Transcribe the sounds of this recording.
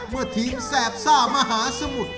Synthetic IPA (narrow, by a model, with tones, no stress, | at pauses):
mɯ˧˩t̪ʰiː˦msɛː˨˩p̚saː˥˩ma˧ɦaː˨˩˦so˧mu˨˩t̪̚